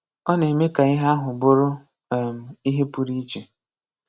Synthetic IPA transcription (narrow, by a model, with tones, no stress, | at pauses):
ɔ˦ne˨me˦ka˨ɪ˦ɦa˦ɦʊ˨bʊ˦ɾʊ˦˨ | m̩˨i˦ɦe˦pu˦ɾi˦t͡ʃe˨